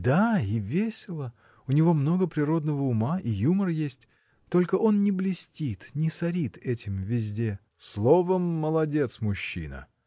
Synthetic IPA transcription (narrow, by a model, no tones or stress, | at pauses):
d̪aivʲesʲɪlˠə | ʊnʲɪvo̞mno̞ɡəpɾʲɪɾo̞d̪nəvəʊmaʔijumərəjesʲtʲ | t̪o̞lʲkəʔo̞nnʲɪblʲɪsʲtʲit̪nʲɪsɐɾʲit̪ɛtʲɪmvʲɪzʲdʲe̞ | slˠo̞vəmːəlˠɐdʲe̞t̪smʊɕːḭnə̰